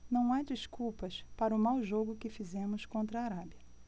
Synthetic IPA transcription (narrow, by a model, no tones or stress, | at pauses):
nɐ̃w̃ad͡ʒiskuwpɐspaɾɐʊmawʒoɡʊkɪfizẽmʊskõnt̪ɾɐaːɾabiɐ